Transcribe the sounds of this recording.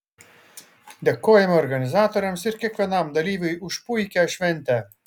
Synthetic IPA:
d̪ʲɛkːoːjɛmɔɾɡɐnʲɪzɑːt̪oɾʲɛmsɪɾkʲɛkʋʲɛnɑmd̪ɐlʲiːʋʲɨjʊʃpujkʲæʃʲʋʲɛnʲt̪ʲæ

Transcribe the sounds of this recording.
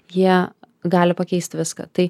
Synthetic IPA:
jiɛ | ɡɑːlʲɪpɐkʲɛɪsʲt̪ʋʲɪskɐ̰t̪ɐɪ

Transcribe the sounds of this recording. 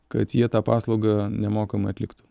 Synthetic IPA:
kɐt̪jiɛt̪ɑːpɑːslˠɐʊɡɐnʲɛmoːkɐmɐɪɐt̪ʲlʲɪ̰kt̪ʊ̥

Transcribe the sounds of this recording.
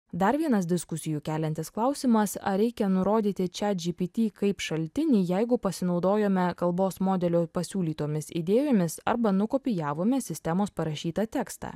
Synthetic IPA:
d̪ɐɾʋʲiɛnɐs̬d̪ʲɪskʊsʲɪjukʲæːlʲɛnʲt̪ʲɪsklˠɑʊsʲiːmɐsɐ̰ɾʲɛɪkʲɛnʊɾoːd̪ʲiːt̪ʲɪt͡ʃʲɛd͡ʒʲipʲit̪ʲiːkɐɪpʃɐlʲt̪ʲɪnʲiːjɛɪɡʊpɐsʲɪnɒʊd̪oːjoːmʲɛkɐlˠboːsmoːd̪ʲɛlʲoːpɐsʲuːlʲiːt̪oːmʲɪsḭd̪ʲeːjoːmʲɪsɐ̰ɾbɐnʊkoːpʲɪjæːʋoːmʲɛsʲɪsʲt̪ʲɛmoːspɐɾɐʃʲiːt̪ɐt̪ʲɛkst̪ɑ̰ː

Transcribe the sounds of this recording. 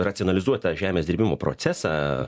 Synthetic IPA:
rɐt̪ʲonɐlʲɪzuɔt̪ɐʒʲæːmʲeːsd̪ʲɪɾʲbʲɪmoːpɾo̰ːt̪sʲæːsɑː

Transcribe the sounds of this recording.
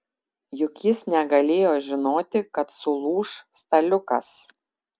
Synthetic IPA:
jʊkʲjɪsnʲɛɡɐlʲeːjoːʒʲɪnoːt̪ʲɪkɐt̪sʊlˠuːʃst̪ɐlʲʊkɐ̰s

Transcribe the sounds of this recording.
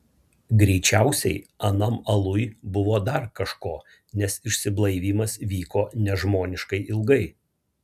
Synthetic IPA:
ɡɾʲɛɪt͡ʃʲæˑʊsʲɛɪɐnɐmɐlˠʊjbʊʋoːd̪ɐɾkɐʃkoː | nʲɛsɪʃʲsʲɪblˠɐɪʋʲiːmɐsʋʲiːkoːnʲɛʒmoːnʲɪʃkɐɪʔɪlˠɡɐɪ

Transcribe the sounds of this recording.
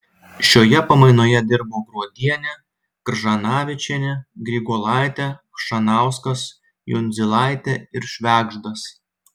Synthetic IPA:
ʃʲoːjɛpɐmɐɪnoːjɛd̪ʲɪɾboːɡɾuɔd̪ʲiɛnʲɛ | kɾʒɐnɑːʋʲɪt͡ʃʲɛnʲɛɡɾʲɪɡoːlˠɑˑɪt̪ʲɛʃɐnɑˑʊskɐs | jʊ̰nʲzʲɪlˠɑˑɪt̪ʲɛɪɾʃʲʋʲæːɡʒd̪ɐs

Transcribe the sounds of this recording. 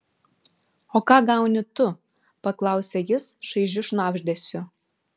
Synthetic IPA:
oːkɑːɡɑˑʊnʲɪt̪ʊ | pɐklˠɑˑʊsʲɛjɪsʃɐɪʒʲʊʃnɑːbʲʒʲd̪ʲɛsʲʊ

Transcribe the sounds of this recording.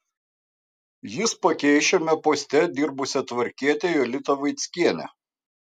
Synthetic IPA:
jɪspɐkʲɛɪʃʲomʲɛpoːsʲt̪ʲɛd̪ʲɪɾbʊsʲɛt̪ʋɐɾʲkʲiɛt̪ʲɛjolʲɪt̪ɐʋɐɪt̪sʲkʲiɛnʲɛ̰

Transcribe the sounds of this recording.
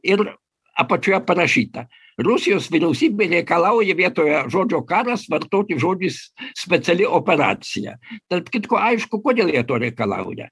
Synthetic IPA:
ɪɾ | ɐ̰pɐt͡ʃʲoːjɛpɐɾɐʃʲiːt̪ɐ | rʊsʲɪjoːsʋʲɪɾʲɛʊsʲiːbʲɛɾʲɛɪkɐlˠɑʊjɛʋʲiɛt̪oːjɛʒoːd͡ʒʲoːkɑːɾɐsʋɐrt̪oːt̪ʲɪʒoːd͡ʒʲussʲpʲɛt̪sʲɛlʲɪʔopʲɛɾɑ̰ːt̪sʲɪjɛ̰t̪ɐrpkʲɪt̪koːʔɐɪʃkʊkoːd̪ʲeːlˠʋʲiɛt̪oːɾʲɛɪkɐlˠɑ̰ʊjɛ̰

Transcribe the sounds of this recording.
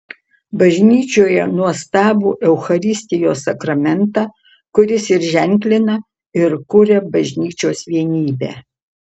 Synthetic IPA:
bɐʒʲnʲiːt͡ʃʲoːjɛnuɔst̪ɑːbuːʔɛʊxɐɾʲɪsʲt̪ʲɪjoːsɐkɾɐmʲɛnt̪ɑː | kʊɾʲɪsɪɾʒʲɛŋʲklʲɪnɐ | ɪɾkʊɾʲɛbɐʒʲnʲiːt͡ʃʲoːsʋʲiɛnʲiːbʲæ̰ː

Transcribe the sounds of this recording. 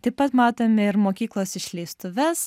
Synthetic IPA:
t̪ɐɪpɐt̪mɑːt̪oːmʲɛɪɾmoːkʲiːklˠoːsɪʃʲlʲɛɪst̪ʊʋʲɛs

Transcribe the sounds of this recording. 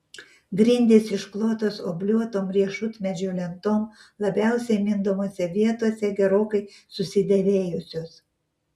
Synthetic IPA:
ɡɾʲɪnʲd̪ʲeːsɪʃklˠoːt̪oːsoːbʲlʲuɔt̪oːmɾʲiɛʃʊt̪ʲmʲɛd͡ʒʲoːlʲɛnt̪oːmlˠɐbʲæˑʊsʲɛɪmʲɪnd̪omoːsʲɛʋʲiɛt̪uɔsʲɛɡʲɛɾoːkɐɪsʊsʲɪd̪ʲɛʋʲeːjʊsʲoːs

